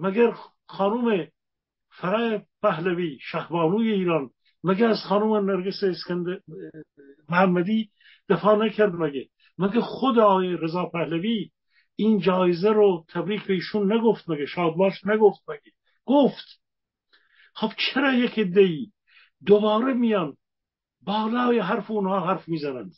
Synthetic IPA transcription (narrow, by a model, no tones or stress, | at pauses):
mæɡæɾ | xɑːnume | fæɾɑːepæhlæviːʃæhbɑːnuːjeiːɾɑːn | mæɡeæzxɑːnumenæɾɡeseːskænd̪ | mohæmːæd̪iː | d̪̥efɑːnækʰæɾd̪mæɡe | mæɡæxod̪ɑːjeɾezɑːpʰæhlæviː | iːnd͡ʒɑːjezæɾot̪ʰæbɾiːkʰbeiːʃunːæɡoft̪̚mæɡeʃɑːb̪bɑːʃnæɡoft̪̚mæɡe | ɡ̥oft̪ | χob̥t͡ʃʰeɾɑːjekʰed̪ːeiː | d̪obɑːɾemijɑn | bɑːlɑːjeɦæɾfeunhɑːɦæɾfmiːzænænd̪̥